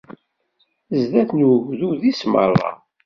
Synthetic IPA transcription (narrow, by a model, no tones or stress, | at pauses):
zðæθnəʝðuðismə̰rˤːɑ̰